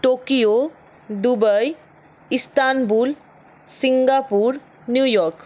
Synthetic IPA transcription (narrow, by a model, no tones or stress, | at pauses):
ʈoːkijo | d̪ubəj | ɪst̪aːnbuːl | siŋɡapuːɾ | njuːjɔɾk